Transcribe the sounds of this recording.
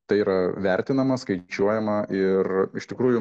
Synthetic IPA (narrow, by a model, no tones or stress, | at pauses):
t̪ɐɪiːɾɐʋʲɛɾʲt̪ʲɪnɐmɐskɐɪt͡ʃʲuɔjɛmɐʔɪrɪʃt̪ʲɪkɾuːjʊ